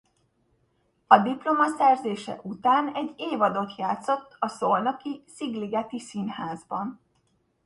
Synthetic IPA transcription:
ɒd̪iplo̞mɒsɛrzeːʃɛ̰ʔut̪aːnɛɟːeːvɒd̪o̞t̪jaːt̪so̞t̪ːɒsolnɒkisiɡliɡɛt̪isinhaːzbɒn

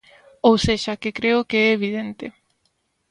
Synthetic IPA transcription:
owseʃakekɾeʊkeɛeβ̞iðent̪e

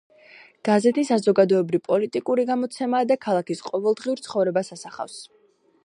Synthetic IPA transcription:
ɡ̥azɛt̪ʰisːazɔɡad̪ɔɛbɾivpʼɔlit̪ʼikʼuɾiɡamɔt̪sʰɛmaːd̪akʰalˠakisqʼɔvɛlˠd̪ʁiuɾt̪sʰχɔvɾɛbasasaχa̰fs

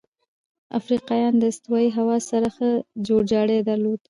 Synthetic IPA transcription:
a̰fɾiqɑjɑnd̪əst̪wɑjiɦawɑsaɾaxəd͡ʒoɽd͡ʒɑɽed̪aɾlod̪̥

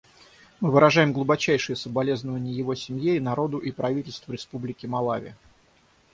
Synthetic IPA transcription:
mɨvɨɾɐʐajɪmɡlˠʊbɐt͡ɕæjʂɨjəsəbɐlʲeznəvənʲɪjəjɪvo̞sʲɪmjeinɐɾo̞d̪ʊʔipɾɐvʲitʲɪlʲst̪vəɾʲɪspublʲɪkʲɪmɐlˠavʲɪ̰jə

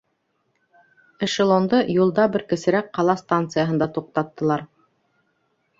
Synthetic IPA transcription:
ɘ̆ʃɤ̆lˠond̪ɤjulˠd̪ɑbɘɾkɘ̆sɘ̆ɾæk̚qɑlˠɑst̪ant̪sɨjəɦɤ̆nd̪ɑt̪uq̚t̪ɑt̪ːɤ̆lˠɑɾ

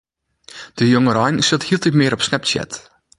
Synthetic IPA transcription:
d̥əjoŋəɾɑjnsɪlˠthilˠtəkmɪːɾɔpsnɛpt͡ʃɛ̰t

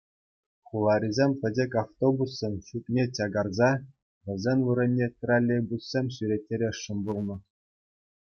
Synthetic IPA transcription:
χulˠːɑɾʲizʲemʲpʲɘ̆dʲekʲaft̪obusːɤ̆nɕut̪nʲet͡ɕɑɡɑrzɑ | ʋʲɘ̆zʲenʲʋɯɾɘ̆nʲːet̪rɑlʲːebusːʲemʲsʲyɾʲetʲːeɾʲeʂːɘ̆nʲbulˠnɤ̆

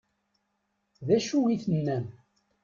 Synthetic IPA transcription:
ðæʃuwiθənːæm

